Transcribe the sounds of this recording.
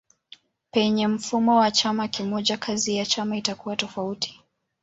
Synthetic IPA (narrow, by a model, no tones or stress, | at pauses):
pɛɲɛm̩fumɔwat͡ʃamakimɔʄakʰazijat͡ʃamaitakuwatɔfauti̥